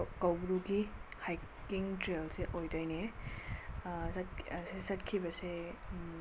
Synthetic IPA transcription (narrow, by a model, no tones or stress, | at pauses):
kawbɾuɡihajkːiŋtɾelseʔojdajne | satsesat̚kʰibɐse